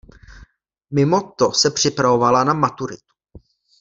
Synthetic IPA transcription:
mɪmot̪osɛpr̝̥ɪpɾavo̞valanamat̪uɾɪt̪u̥

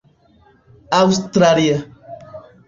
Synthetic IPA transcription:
awst̪ɾalia

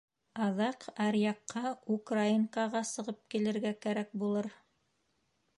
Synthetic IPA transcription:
ɑðɑqæɾjɑqːɑukraiŋkɑʁɑsɤ̆ʁɤp̚kilɘ̆ɾɡækæɾæk̚bulˠɤɾ

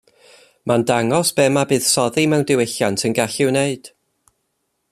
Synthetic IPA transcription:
mandaŋɔsb̥ɛːmabɨːð̥sɔðimɛwndɪwɪɬjantʰənɡaɬɪwneɨd̥

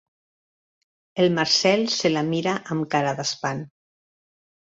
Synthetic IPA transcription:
elmaɾsɛlselamiɾaʔamkaɾaðaspan

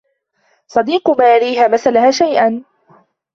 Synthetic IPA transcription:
sˤɑd̪iːqʊmaːjaɾiːɦaːmaθalahaːʃajʔan

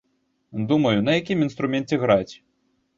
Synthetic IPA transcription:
d̪umɐjunɐjakʲiminst̪ɾumʲɛnt͡sʲɛɣɾat͡sʲ

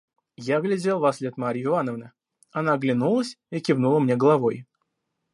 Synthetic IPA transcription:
jaɡlʲɪd͡zʲelˠvɐslʲet̪maɾʲɪjʊɪvanəvnə | ɐnaɡlʲɪnulˠəsʲɪkʲɪvnulˠəmnʲe̞ɡəlˠɐvo̞j

